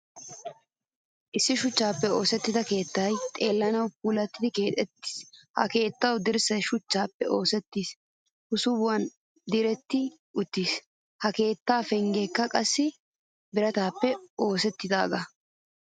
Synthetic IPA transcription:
ʔɪsːɪʃʊt͡ʃːaːpːɛo̞ːsɛt̪ːɪd̪ɐke̞ːt̪ːɐjt̪ʼeːlːɐnɐwp̚uːlɐt̪ːɪd̪ɪke̞ːt̪ʼɛt̪ːi̥ːshɐ̰ke̞ːt̪ːɐwd̪ɪɾsɐjʃʊt͡ʃːaːpːɛʔo̞ːsɛt̪ːiːs | hʊsʊbʊwɐn | d̪ɪɾɛt̪ːɪ | ʔʊt̪ːiːs | hɐke̞ːt̪ːaːfɛŋɡeːkːɐkʼɐsːɪ | bɪɾɐt̪aːpːɛo̞ːsɛt̪ːɪd̪a̰ːɡɐ

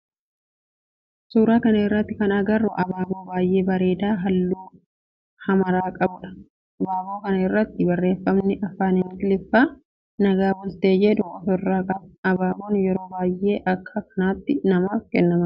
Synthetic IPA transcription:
suːɾaːkɐnɐɪrːɐt̪ːɪkɐnɐɡɐrːɔʔɐbaːboːbaːjʔe̞ːbɐɾe̞ːd̪aːɦɐlːuː | hɐmɐɾaːkʼɐbʊᶑɐ̥ | ɐbaːboːkɐnɐɪrːɐt̪ːɪbɐrːe̞ːfːɐmnɪʔɐfːaːnɪmɪt̪ɪlɪfːaː | nɐɡaːbʊlt̪eːd͡ʒɛd̪ʊɐfɔrːaːkʼɐbɐbaːbonjɛɾo̞ːbaːjːʔe̞ːʔɐkʰːɐkɐ̥naːt̪ːɪnɐmaːfkɛnːɐmɐ

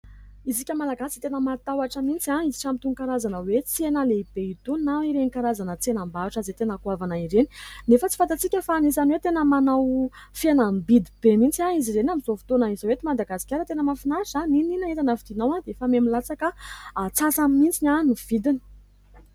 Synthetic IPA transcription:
izikʲəmalaɡasi̥t̪enəmat̪awaʈ͡ʂəmint͡siaizi̥ʈ͡ʂamit̪unkaɾazanəwet͡senəleib̥eit̪unaiɾenikaɾazanət͡senambaaʈ͡ʂazet̪enəkuavanaiɾeni̥nefət͡sifant̪at͡sikʲəfaanisaniwet̪enəmanawfianambid̪ib̥emint͡siaizizenamizofi̥t̪onəizowet̪imad̪aɡasi̥kʲaɾət̪enəmafinasanininaet̪anəfid̪inawãd̪eefamemilat͡sakəːt͡sasamimint͡siɲʲaniv̥id̪ini̥

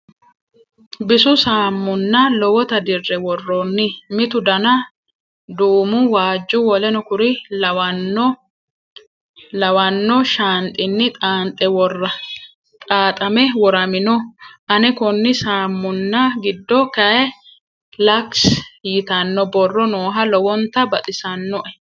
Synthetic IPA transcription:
bɪsʊsaːmːʊnːɐlɔwɔt̪ɐd̪ɪrːɛwɔrːɔnːɪmɪt̪ʊd̪ɐnɐ | d̪uːmʊwaːd͡ʒːʊwɔlɛnɔkʊɾɪlwɐnːɔ | lɐwɐnːɔʃaːnt̪ʼɪnːɪt̪ʼaːnt̪ʼɛwɔrːɐ | t̪ʼaːt̪ʼɐmɛwɔɾɐmɪnɔʔɐnɛkɔnːɪsaːmːʊnːɐɡɪd̪ːɔkɐɛ | lɐksjɪt̪ɐnːɔbɔrːɔnoːɦɐlɔwɔnt̪ɐbɐt̪ʼɪsɐnːɔʔɛ

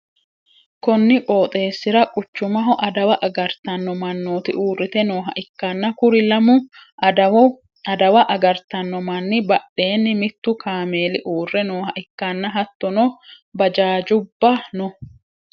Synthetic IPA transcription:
kɔnːɪkʼoːt̪ʼe̞ːsːɪɾɐkʼʊt͡ʃːʊmɐɦɔʔɐd̪ɐwɐʔɐɡɐɾt̪ɐnːɔmɐnːoːt̪ɪʔuːrːɪt̪ɛnoːɦɐʔɪkːɐnːɐkʊɾɪlɐmʊ | ɐd̪ɐwɐʔɐɡɐɾt̪ɐnːɔmɐnːɪbɐɗːe̞ːnːɪmɪt̪ːʊkʰaːme̞ːlɪʔuːrːɛnoːhɐʔɪkːɐnːɐɦɐt̪ːɔnɔ | bɐd͡ʒaːd͡ʒʊbːɐnɔ

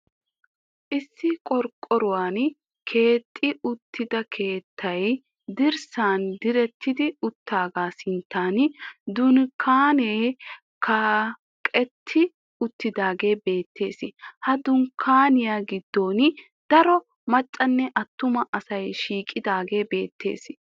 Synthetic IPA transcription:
ʔɪsːɪkʼɔɾkʼːɔɾʊwaːn | kʰe̞ːt̪ʼːɪʊt̪ʰːɪd̪ɐkʰe̞ːt̪ːɐj | d̪ɪɾsaːnd̪ɪɾɛt̪ʰːɪd̪ɪʊt̪ːaːɡaːsɪnt̪ːaːnd̪ʊnkʰaːneː | kʰa | kʼɛt̪ʰːɪ | ʊt̪ːɪd̪aːɡe̞ːbe̞ːt̪ːe̞ːsɪhɐd̪ʊnkʰaːnɪjaːɡɪd̪ːo̞ːn | d̪̥ɐɾɔ | mɐt͡ʃʼːɐnːɛʔɐt̪ːʊmɐʔɐsɐjʃiːkʼːɪd̪aːɡe̞ːbe̞ːt̪ːe̞̰ːs

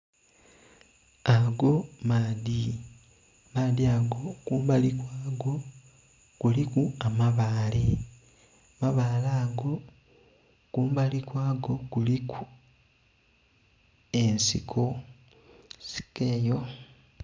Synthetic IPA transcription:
aɡo̞maːdi | maːdiaɡo̞kuːmbalikwaɡo | kulikuamaβaːle | maβaːlaːɡo̞ | kuːmbalikwaːɡo̞kuliku | e̞nsḭkʰo | si̥keːjo

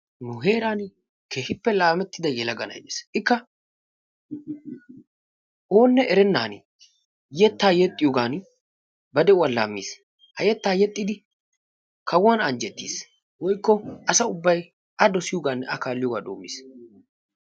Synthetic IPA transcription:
nʊɦe̞ːɾaːn | kʰeːhɪpːɛlaːmɛt̪ːɪd̪ɐjɛlɐɡɐnɐ̰jd̪ḛːsʔɪkːɐ | ʔoːnːɛʔɛɾɛnːaːn | jɛt̪ːaːjɛt̪ʼːɪjoɡaːn | bɐd̪ɛwɐla̰ːmːḭːs | hɐjɛt̪ːaːjɛt̪ʼːɪd̪ɪ | kɐwanɐnd͡ʒɛt̪ːḭs | wɔjkːɔʔɐsɐʊbːɐj | ʔɐd̪ɔsɪjɔɡaːnɐ̰kaːlːɪjɔɡa̰ːd̪o̰ːmːḭːs

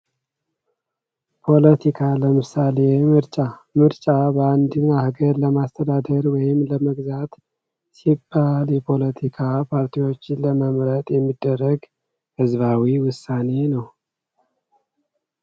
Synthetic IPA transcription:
pʰo̞lət̪ʰikʰaləmɨsale̞mɨɾt͡ʃʼamɨɾt͡ʃʼabəand̪ɨnahɡəɾləmast̪ʰəd̪ad̪əɾwɔjɪmləməɡzat̪ | sibːaljɛpʰo̞lət̪ʰikʰapʰaɾt̪ʰiwo̞t͡ʃːɪnləməmɾət̪ʼjɛmːid̪̥ːərːəɡ | hɨzβawiwʊsːane̞nəw

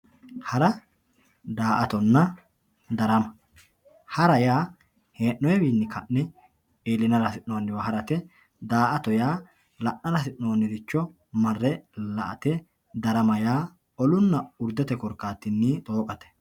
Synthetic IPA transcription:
hɐɾɐ | d̪aːʔɐt̪ɔnːɐ | d̪ɐɾɐmɐ | hɐɾɐjaː | heːʔːɔjɛbiːnːɪkɐnnɛ | eːlɪnɐlɐsɪnːɔwɐnːɪbɐɦɐɾɐt̪ɛ | d̪aːʔɐt̪ɔjaː | lɐʔnɐlɐsɪʔːowɐnːɪd̪ɪt͡ʃːɔ | mɐrːɛlɐʔɐ̰t̪ɛ | d̪ɐɾɐmɐjaː | ɔlʊnːɐʊɾd̪ɛt̪ɛkɔɾkːaːt̪ːɪnːiːt̪ʼo̞ːkʼɐt̪ɛ̥

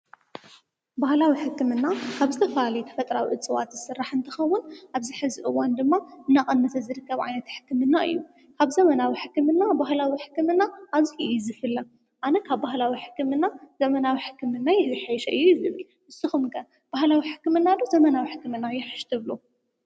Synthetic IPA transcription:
bahlawiħɨkːɨmɨnːakʰaβzɨt̪ʰɐfɐalɐjt̪ʰɐ̥fɐt̪ʼɾawḭʔɨt͡sʼɨwa̰t̪zɨsɨrːaħɨnt̪ʰɨxɐwːʊnʔaβziħɨzɨʔɨwːɔnd̪ɨmːaɨnːaχʼɐnːɐt̪ʰɐzɨɾɨkːɐβʕa̰jnɐt̪ħɨ̥kːɨmɨnːaʔɨ̰jːu | kʰaβzɐmɐnawiħɨkːɨmɨnːabahlawiħɨ̥kːɨmɨnːaʔaβzihjuzɨfɨlːɐ | ʔanɐkʰaβbahlawiħɨ̥kːɨmɨnːazɐmɐnawiħɨ̥kːɨmɨnːajɛzɨħajʃɐʔɨjːujzɨβɨl | ʔɨsɨxumkʰɐ | b̥ahlawiħɨ̥kːɨmɨnːad̪uzɐmɐnawiħɨkːɨmɨnːajɛħɨʃt̪ʰɨβlu

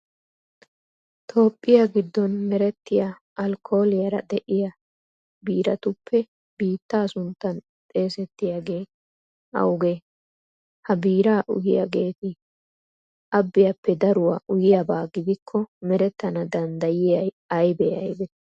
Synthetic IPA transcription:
t̪ʰo̞ːpʼːɪjaɡɪd̪ːɔnmɛɾɛt̪ːɪja | ɐlkʰo̞ːlɪjɐɾɐ̰d̪ɛʔɪjɐ | biːɾɐt̪ʊpʰːɛ | biːt̪ːaːsʊnt̪ːɐn | t̪ʼe̞ːsɛt̪ːɪjaɡe̞ː | ɐ̰wʊɡeː | hɐbiːɾaːʔʊ̰jɪjɐ̰ɡe̞ːt̪ɪ | ʔɐbːɪjɐpːɛd̪ɐɾʊwa̰ːʔʊjɪjɐbaːɡɪd̪ɪkʰːɔmɛɾɛt̪ːɐnɐd̪ɐnd̪ɐjɪjɐj | ɐjbɛjɐ̰jb̪ɛ

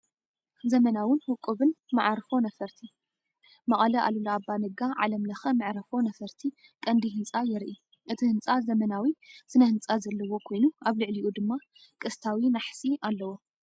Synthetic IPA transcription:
zɐmɐnawɨnhʊkʼːɨβɨnma̰ʕɾfo̞nɐfɐɾt̪ʰi | mɐχʼɐlɐʔa̰lulɐabːanɨɡaʕa̰lɐmlɐxɐmɨʕɾɐfo̞nɐfɐɾt̪ʰi | kʼɐnd̪iɦɨnt͡sʼajɪɾʔi | ʔɨt̪ʰihɨnt͡sʼazɐmɐnawisɨnɐhɨnt͡sʼazɐlːɐwo̞kʰo̞jnuʔaβlɨʕliʔud̪ɨmːa | kʼɨst̪ʰawinaħsʼiʔalːɐwo̞

